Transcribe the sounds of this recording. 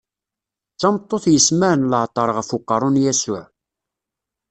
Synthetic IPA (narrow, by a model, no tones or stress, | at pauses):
t͡sːɑmt̪ˤːoθjəsmæʕnləʕt̪ˤːəɾˤʁəfuqːɑɾˤʊnjæsʊʕ